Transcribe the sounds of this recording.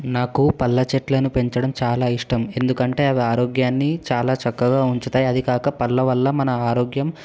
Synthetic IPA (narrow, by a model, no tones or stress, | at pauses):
naːkupɐlːɐt͡ʃeʈlɐnupe̞ɲt͡ʃɐɽɐmt͡ʃaːlaːiʂʈɐme̞nd̪ukɐɳʈe̞ːɐʋiaːɾoːɡjaːnːit͡ʃaːlaːt͡ʃɐkːɐɡaːuɲt͡ʃut̪aːjiɐd̪ikaːkɐpɐlːɐʋɐlːɐmɐnɐaːɾoːɡjɐm